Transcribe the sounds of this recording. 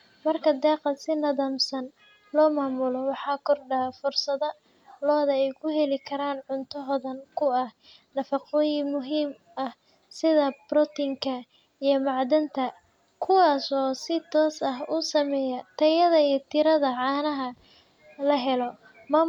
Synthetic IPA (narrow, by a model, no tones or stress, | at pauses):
mɐrkʰɐd̪ɛːqɑsɪnɐðɐmsɐn | lɔːmaːmʊlɔwɑħɑːkʰɔrɖɐfʊrsɐðɐ | lɔːðɐɛjkʰʊɦɛlɪkʰɐɾaːnʕʊnt̪ʰɐɦɔðɐnkʰʊɐh | nɐfɑqɔːjɪŋmʊɦiːm | ɐh | sɪðɐbɾɔt̪ɪŋkʰɐ | ijɞmɑʕd̪ɐnt̪ʰɐ | kʰʊwɑːsɔːsɪt̪ʰɔːsɐɦʊsɐmɛːjɐt̪ʰɐjɐðɐijɞt̪ʰɪɾɐðɐʕɑːnɐɦɐ | lɐɦɛlɔ | mɐ